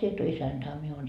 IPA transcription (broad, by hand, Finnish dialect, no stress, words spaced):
sie et o isænd̥ɑ ɑ mie oːn